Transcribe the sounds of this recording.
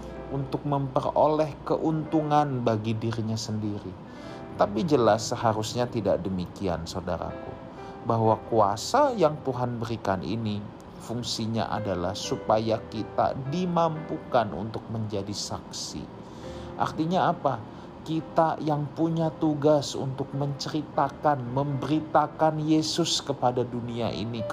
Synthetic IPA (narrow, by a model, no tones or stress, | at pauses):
unt̪ʊk̚məmpəro̰lɛhkəʔunt̪uŋanbaɡidiɾiɲasəndiɾi | t̪apid͡ʒəlasəhaɾusɲat̪ida̰ʔdəmikia̰nsauda̰ɾa̰kṵ | baɦwakuasajaŋt̪uɦanbəɾikanḭni | fuŋsiɲa̰ʔa̰dalahsupajakit̪a̰dimampukanṵnt̪ʊk̚məɲd͡ʒadisaksḭ | ʔa̰rt̪iɲaːpa | kit̪ajaŋpuɲat̪uɡasṵnt̪ʊk̚məɲt͡ʃəɾit̪akanməmbəɾit̪akanjesʊskəpadaduniaʔḭni